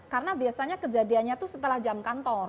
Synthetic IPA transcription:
kaɾənabiasaɲakəd͡ʒadianɲat̪usət̪əlahd͡ʒamkant̪ɔr

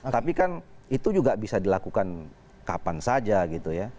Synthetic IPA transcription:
t̪apikanit̪ud͡ʒuɡabisadilakukan | kapansad͡ʒaɡit̪uja

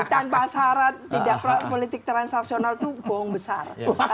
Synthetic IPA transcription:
t̪anpasaaɾat̪̚ːidaʔpapolit̪ɪk̚t̪ɾansaksionalt̪ub̥ɔɦɔŋbəsar

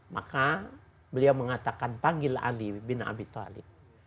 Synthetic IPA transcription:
ma̰ka | bəliawməŋat̪akanpaɡɪla̰libɪna̰bit̪ɔ̰lɪ̰p̚

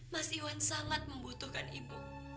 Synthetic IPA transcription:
masiwansamat̪̚məmbut̪ʊhkanibṵ

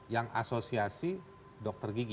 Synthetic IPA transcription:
jaŋʔa̰sosiasi | dɔk̚t̪ərɡiɡ

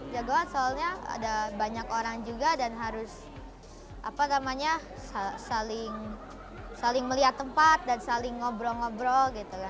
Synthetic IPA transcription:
d͡ʒaɡaansoalɲaa̰dabaɲakoɾaŋd͡ʒuɡadanɦaɾʊs | ʔapanamaɲa | sasalɪŋ | salɪŋməliat̪ːəmpat̪̚dansalɪŋːɔbɾɔŋɔbɾɔɡit̪uka

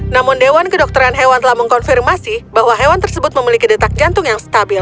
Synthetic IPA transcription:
namʊndewankədɔk̚t̪əɾanɦewant̪əlahməŋkɔnfirmasibaɦwaɦewant̪ərsəbʊt̪̚məmilikidət̪ak̚d͡ʒant̪ʊŋjaŋsə̥t̪abɪl

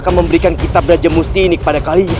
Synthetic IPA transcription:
kanməmbəɾikankit̪ap̚ɾad͡ʒamust̪iːnikə̥padakaliɲa

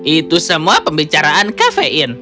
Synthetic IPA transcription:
ʔit̪usəmuapəmbit͡ʃaɾaʔankafeʔɪn

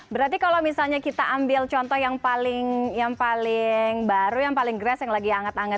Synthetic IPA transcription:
bəɾart̪ikalawmisalɲakit̪aʔambɪlt͡ʃɔnt̪ɔhjaŋpalɪŋjaŋpalɪŋbaɾujaŋpalɪŋɡɾasjaŋlaɡiaŋat̪aŋat̪̚

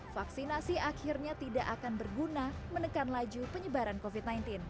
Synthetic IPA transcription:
faksinasiʔakirɲat̪idaʔakanbərɡunamənəkanlad͡ʒupəɲəbaɾankofit̪̚najnt̪ɪn

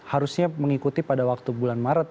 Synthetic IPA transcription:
haɾusɲaməŋikut̪ipadawak̚t̪ubulanmaɾət̪̚

